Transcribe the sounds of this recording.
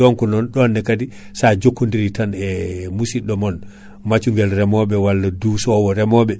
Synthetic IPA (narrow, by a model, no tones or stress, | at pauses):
ɔŋkunɔnɗɔnːɛkadi | sad͡ʒokːundiɾitanɛmusiɗɔmɔn | mat͡ʃuŋɡɛlɾɛmɔɓɛwalːadusɔwɔɾɛmɔɓɛ